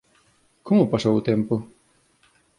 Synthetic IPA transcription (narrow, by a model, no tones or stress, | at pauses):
komʊpasowʊt̪empʊ